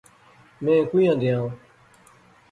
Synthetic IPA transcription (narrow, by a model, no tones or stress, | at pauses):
mɛ̃ːkuːjãːd̪ɪjãː